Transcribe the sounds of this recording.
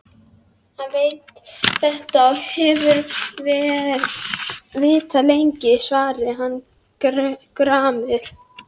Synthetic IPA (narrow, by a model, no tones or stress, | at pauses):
hanveːjt̪θɛht̪ahɛvʏɾvɛːɾ | vɪːt̪alejɲcɪsvaːɾɪɦanː | kɾaːmʏɾ̥